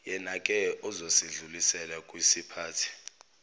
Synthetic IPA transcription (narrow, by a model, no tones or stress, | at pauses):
jɛnakʼɛuzosiɮulisɛlakʼwisipʰaːtʰi̥